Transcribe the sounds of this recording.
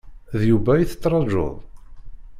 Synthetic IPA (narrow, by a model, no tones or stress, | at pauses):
ðjuvæjiθə̥t̪ˤːɾˤɑʒo̰ðˤ